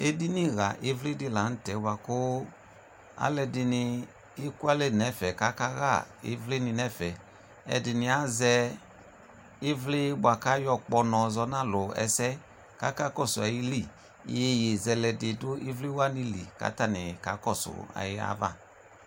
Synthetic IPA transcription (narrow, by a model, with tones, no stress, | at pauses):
e˦di˦ni˦ɣa˨ʔe˦vli˦dɪ˦˨la˨˦n̩˦tɛ˨˦ba˧kʊ˦ | a̰˨˦lɛ˧dɪ˧nɪ˧ | i˦ku˦a˦le˦˨nɛ˨˦fɛ˨ka˦ka˦ɣa̰˦˨ḛ˨˦vle˦ni˧nɛ˦fɛ˨ | ɛ̰˨dɪ˨nɪ˧a˦zɛ˧ | i˦vle˦ba˨˧ka˦jɔ˧k͡pɔ˧nɔ̃˨zɔ˧nã˦lʊ˨ɛ̰˧˨sɛ˦ | ka˦ka˦kɔ˦˨sʊ˨a˨ji˦li˦˨ | je˧je˨zɛ˧lɛ˧de˨dʊ˦ʔi˦vli˦wa˦ni˧lḭ˨ka̰˨˦ta˦˨nɪ˨ka̰˨˦kɔ˦˨sʊ̰˨a̰˨jɪ˦a̰˧˦va̰˦˨